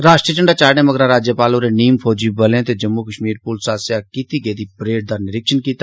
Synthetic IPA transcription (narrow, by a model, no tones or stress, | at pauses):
ɾaːʃʈɾiət͡ʃəɳɖaːt͡ʃaːɽẽːməɡɾãɾaːd͡ʒjəpaːloːɾeniːmpʰoːd͡ʒiːbəlẽːt̪ed͡ʒəmːukəʃmiːɾpuːlsaːsjakɪt̪iːɡeːd̪iːpɾeːʈ̚d̪əɾnɪɾɪkʃənkiːt̪a